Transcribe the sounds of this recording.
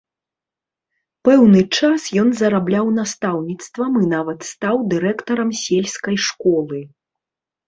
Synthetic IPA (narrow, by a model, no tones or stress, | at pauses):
pɛwnɨt͡ʂasjɔnzɐɾablʲawnast̪awnʲit̪st̪vɐmɨnavɐt̪st̪awd̪ɨɾɛkt̪ɐɾɐmsʲelʲskɐjʂkɔlˠɨ